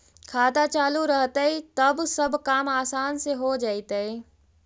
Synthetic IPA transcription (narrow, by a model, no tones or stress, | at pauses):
kʰaːt̪at͡ʃaːluɾəɦt̪ait̪ɐbsɐbkaːmaːsaːnseɦod͡ʒaːit̪əe